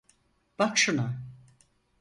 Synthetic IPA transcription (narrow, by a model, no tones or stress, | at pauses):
b̥akʃuna